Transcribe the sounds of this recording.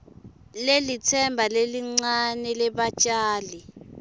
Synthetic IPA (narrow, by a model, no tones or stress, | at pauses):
lelitʰɛmbʱaleliŋ͡ǀanɛlɛɓat͡ʃʼaːli